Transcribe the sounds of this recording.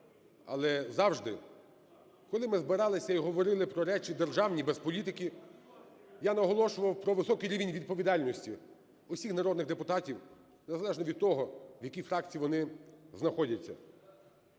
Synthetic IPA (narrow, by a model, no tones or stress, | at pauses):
ɐ̰lˠɛzɑwʒd̪ɪ | kɔlˠɪmɪzbɪɾɑlˠɪsʲɐiɦɔʋɔɾɪlˠɪpɾɔɾɛt͡ʃʲid̪erʒɑwnʲibɛspɔlʲit̪̬ɪkʲi | janɐɦɔlˠɔʃʊʋɐwpɾɔʋɪsɔkɪɾʲiʋʲinʲʋʲid̪̚pɔʋʲid̪ɑlʲnɔsʲtʲi | ʊsʲixnɐɾɔd̪nɪɣd̪epʊt̪ɑtʲiw | nezɐlˠɛʒnɔʋʲid̪̚t̪ɔɦɔʋjɐkʲijfɾɑkt͡sʲijiʋɔnɪznɐxɔdʲɐt͡sʲːɐ̰